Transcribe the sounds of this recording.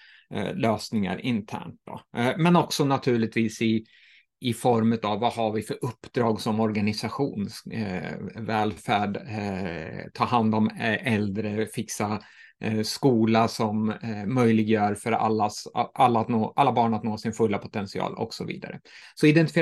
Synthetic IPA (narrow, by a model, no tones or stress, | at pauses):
løːsnɪŋa̰ɾɪnt̪ʰæ̰ːɳʈ̚d̪ɔ̰mɛnɔksɔnat̪ʰʉ̟ːɭɪt̪viːsɪː | fɔɾmʉ̟t̪avːahaɾvɪfœɾɵpːd̪ɾɑːɡsɔmɔɾɡanɪsaɧuːns | vɛːlfæːɖ | t̪ʰɑːɦand̪ɔmʔɛld̪ɾəfɪksa | skuːlasɔmːœjlɪɡjœːɾfœɾa̰lːasʔalːaːt̪noːʔalːabɑːɳat̪noːsɪnfɵlːapʰʊ̥t̪ʰɛnsɪɑ̰ːlɔ̰ksɔvḭːd̪a̰ɾə̰sɔɪd̪ɛnt̪ɪ̥f